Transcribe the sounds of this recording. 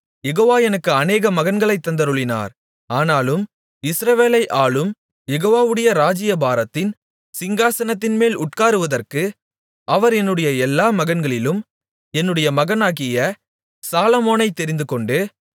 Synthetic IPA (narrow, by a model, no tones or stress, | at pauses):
jɛɣoːʋaːjɛnɐkːɯɐneːɣɐmɐɣɐnɡɐɭɐɪt̪ːɐnd̪ɐɾɯɭːɪna̰ːɾ | aːnaːlɯm | ɪsɾɐʋeːlɐɪʔaːɭɯm | jɛɣoːʋaːʋɯɽɐjɐɾaːd͡ʒɪjɐbaːɾɐt̪ːɪn | sɪŋɡaːsɐnɐt̪̬ːɪnmeːlʊʈkaːɾɯʋɐðɐrkɯ | ʔɐʋɐɾɛnːɯɽɐjɐɛlːaːmɐɣɐnɡɐɭɪlɯm | ɛnːɯɽɐjɐmɐɣɐnaːɣɪjɐ | saːlɐmoːnɐɪt̪ːɛɾɪnd̪ɯkɔɳɖɯ